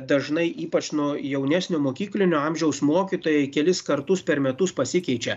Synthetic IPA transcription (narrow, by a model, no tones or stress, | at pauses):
d̪ɐʒnɐɪʔiːpɐt͡ʃnʊjɛʊnʲæsʲnʲʊmoːkʲiːklʲɪnʲʊɑmʲʒʲɛʊsmoːkʲit̪oːjɛɪkʲɛlʲɪskɐɾt̪ʊspʲɛɾmʲɛt̪ʊspɐsʲɪkʲɛɪt͡ʃʲɛ